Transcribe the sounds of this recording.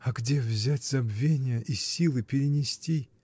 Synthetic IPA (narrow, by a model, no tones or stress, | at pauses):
ɐɡdʲevzʲætʲz̥ɐbvʲenʲɪjəʔisʲilˠɨpʲɪɾʲɪnʲɪsʲtʲi